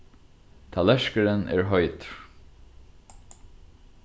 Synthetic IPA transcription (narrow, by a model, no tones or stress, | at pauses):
t̪ʰalɛʃkəɹənɛ̰ːɹɦɔʏt̪